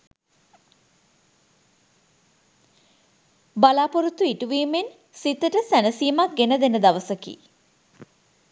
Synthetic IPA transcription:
balaːpoɾut̪uiʈuʋiːmen | sit̪əʈəsænəsiːmak̚ɡenəd̪enəd̪aʋəsəkḭː

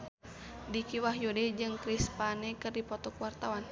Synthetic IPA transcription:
dikiwaɦjodɛd͡ʒɨŋkɾispanɛkɨrdipɔt̪ɔkwart̪awan

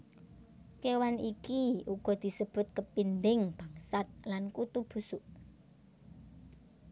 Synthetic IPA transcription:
kewanikiuɡ̥ɔ̤d̪̥i̤səb̥ʊ̤t̪̚kəpind̪ɪŋb̥aŋsat̪̚lankut̪ub̥usuʔ

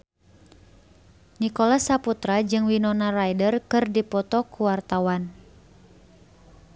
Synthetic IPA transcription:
nikɔlasaput̪ɾad͡ʒɨŋwinɔnarajdərkɨrdipɔt̪ɔkuwart̪awan

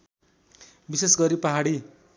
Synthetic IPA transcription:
bisesɡʌɾipaɦaɽi

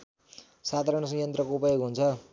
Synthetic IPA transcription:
sad̪ʱaɾʌɽ̃ʌsʌ̃jʌnt̪rʌkoupʌjoɡɦunt͡sʰʌ

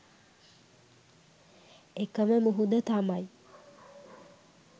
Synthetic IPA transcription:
ekəməmuɦud̪ət̪amaj

